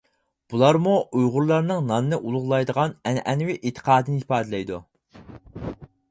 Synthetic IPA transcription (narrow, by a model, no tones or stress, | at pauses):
b̥ulˠɑɾmuujʁʊɾlˠɑɾnɨŋnɑnɨnɨʔulˠʊʁlˠɑjd̪əʁɑnɛnʔɛnwɪʔet̪ʰə̥qʰɑːd̪ɨnɪhipɑːd̪ɨlɛjd̪u